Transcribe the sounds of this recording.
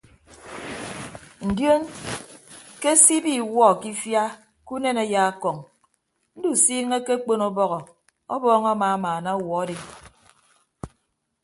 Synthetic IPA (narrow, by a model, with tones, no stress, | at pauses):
n̩˨djo˦n | ke˦si˦bi˦wɔ˦˨ki˦fja˦ | ku˦ne˦ne˨˦ja˦a˦kɔ˨ŋ | n̩˦du˦˨siː˦ŋe˦ke˦k͡po˦nɔ˦bɔ˦ɣɔ˨ | ɔ˦bɔː˦ŋa˦maː˨˦maː˨na˦u˦˨wɔ˨˦di˨